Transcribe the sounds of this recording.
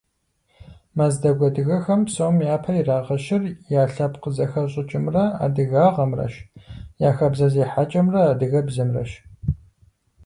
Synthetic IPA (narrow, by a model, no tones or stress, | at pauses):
mazdɐɡʷɔdɨɣɐxɐmsowmjaːpʰɐjiraːʁɐʃɪrjaːɬɐpqəzɐxɐɕʼɪt͡ʃʼɪmrɐa̰ːdɨɣaːʁɐmrɐ̰ʃjaːxɐbzɐzeːħat͡ʃʼɐmrɐaːdɨɣɐbzɐmrɐ̰ʃ